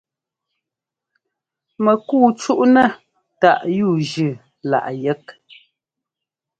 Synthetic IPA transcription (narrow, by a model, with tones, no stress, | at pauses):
mɛ˨kuː˦˨t͡ʃu˦ʔnɛ˦˨ | ta˨ʔjuː˦˨ʒʉ˨ | la̰˨ʔjɛ˦k̚